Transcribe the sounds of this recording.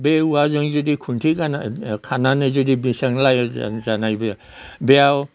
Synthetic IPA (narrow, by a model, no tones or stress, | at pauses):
beuazoŋzudikʰuntʰiɡanakʰananɯzudibisaŋlaja̰zanajbɐja | beaw